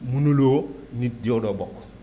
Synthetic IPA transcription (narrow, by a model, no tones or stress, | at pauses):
munulonidiodɔbɔk